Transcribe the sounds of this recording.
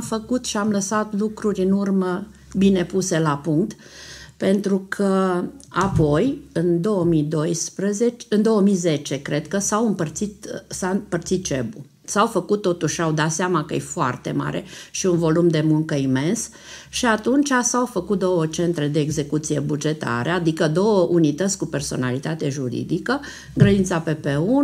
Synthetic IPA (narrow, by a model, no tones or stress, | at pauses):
fəkut̪ʃiamləsat̪lukɾuɾʲɨnurmə | bine̞puse̞lapuŋk̚t̪ | pe̞nt̪ɾukʰəapo̞jɨnd̪o̞wəmijd̪ojspɾəzet͡ʃɨnd̪o̞wəmijze̞t͡ʃe̞kɾe̞d̪kəsawɨmpərt̪sit̪saɨpərt̪sit̪̚t͡ʃḛbu | sawfəkut̪ːo̞t̪uʃawd̪at̪seamakəjḛfoa̰rt̪e̞̰ma̰ɾʔe̞̰ʃiunvo̞lumd̪e̞muŋkəime̞ns | ʃiat̪unt͡ʃasawfəkut̪̚d̪o̞wət͡ʃe̞nt̪ɾe̞d̪e̞ːɡze̞kut̪sije̞bud͡ʒe̞t̪a̰ɾead̪ikəd̪o̞wəʔunit̪ət̪sʲkupe̞rso̞̰nalit̪at̪eʒuɾḭd̪ikə | ɨŋɡɾəd̪int̪sape̞peu